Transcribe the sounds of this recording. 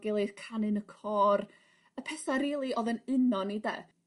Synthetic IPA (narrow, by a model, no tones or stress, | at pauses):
ɡɪlˠeð̥kʰanɨnəkʰɔr | əpʰɛsaɾiːlˠiʔɔðənɪnɔnidɛ̰ː